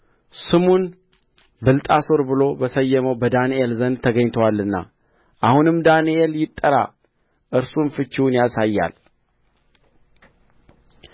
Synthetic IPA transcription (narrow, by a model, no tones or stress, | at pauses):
sɨmun | bɨlt̪ʼaso̞ɾbɨlo̞bəsəjːɛməwbəd̪aniʔelzənd̪t̪ʰəɡəɲt̪ʰəwalːɨnːa̰ | ʔahunɨmd̪aniʔeljɪt̪ʼːəɾa̰ | ʔɨɾsumfɨt͡ʃːiwnjasajːa̰l